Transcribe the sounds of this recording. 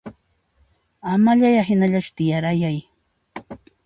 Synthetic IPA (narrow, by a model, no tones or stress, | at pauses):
amaʎajaɦɪnaʎat͡ʃʊ̥t̪ɪjaɾajaj